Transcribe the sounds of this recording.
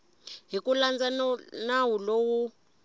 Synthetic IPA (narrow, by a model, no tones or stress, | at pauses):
ɦikuland͡zanawulowu